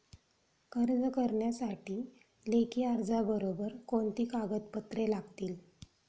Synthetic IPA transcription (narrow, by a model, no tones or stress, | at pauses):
kəɾd͡zəkəɾɳjasaʈiː | lekiːaɾd͡zabəɾobəɾkoɳt̪iːkaɡət̪pət̪ɾelaɡt̪iːl